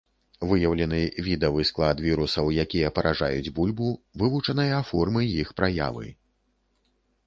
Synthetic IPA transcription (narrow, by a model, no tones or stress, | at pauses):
vɨjɐwlʲɛnɨvʲid̪ɐvɨsklˠad̪vʲiɾusɐwjakʲijɐpɐɾʔaʐa̰jud͡zʲbulʲbuvɨvut͡ʂɐnɐjɐːfɔrmɨjixpɾaja̰vɨ̰